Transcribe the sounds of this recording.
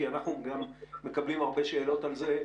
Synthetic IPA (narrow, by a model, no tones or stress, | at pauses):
ianaχnuɡamːe̞kablimaʁbe̞ʃeːlo̞talze̞